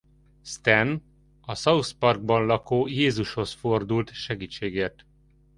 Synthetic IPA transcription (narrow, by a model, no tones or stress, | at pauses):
st̪ɛn | ɒsɒuspɒrɡ̚bɒnlɒkoːjeːzuʃho̞sfo̞rd̪ult̪ʃɛɡiːt͡ʃːeːɡeːrt̪